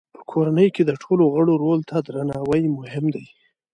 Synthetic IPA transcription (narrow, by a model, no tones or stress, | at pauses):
pə̥kʰoɾanəjked̪əʈʰoloɣəɽoɾolt̪ʰad̪ɾanɑwəjmʊhɪmd̪aj